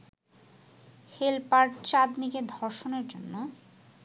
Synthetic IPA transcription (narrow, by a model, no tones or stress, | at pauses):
helpaɾɖt͡ɕad̪niked̪ʱɔɾʃoneɾd͡ʑonːo